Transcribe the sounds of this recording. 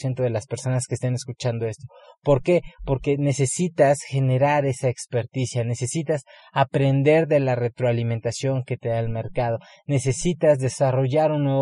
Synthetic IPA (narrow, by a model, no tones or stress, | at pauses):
jent̪o̞ðe̞laspe̞ɾso̞naskest̪ene̞skut͡ʃand̪o̞e̞st̪opo̞ɾke̞po̞ɾke̞ne̞se̞sit̪asxe̞ne̞ɾaɾe̞saekspe̞ɾt̪isjane̞se̞sit̪as | apɾe̞nd̪e̞ɾðe̞lare̞t̪ɾoaliment̪asjo̞ŋke̞t̪e̞ðaelme̞ɾkað̞o̞ | ne̞se̞sit̪azðe̞saro̞ʝaɾunːwe